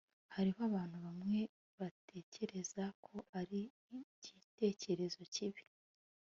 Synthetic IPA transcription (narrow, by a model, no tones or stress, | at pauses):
haɾihoaβaːn̥huβamŋe̞ | βatʰe̞ːce̞ɾe̞zakʰo̞aɾi | ɟite̞ːce̞ɾe̞zo̞ciβi